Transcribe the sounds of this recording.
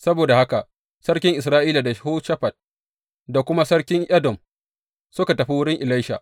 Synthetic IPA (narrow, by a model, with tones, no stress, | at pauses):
sɐ˦boː˨da˨ha˦ka˨ʔ | sɐ˦ɽkʲɪ˦ŋʔɪ˨s̬ɾaː˦ʔiː˦la˨da˨hoː˦ʃɐ˦ɸɐ˨d̚ | da˨kʷʊ˦ma˦sɐ˦ɽkʲɪ˦ŋʔɐ˦dɔ˨m | sʊ˦ka˨tɐ˨ɸi˦wʊ˦ɽɪ˦ŋʔɪ˨la˦jʃa̰˨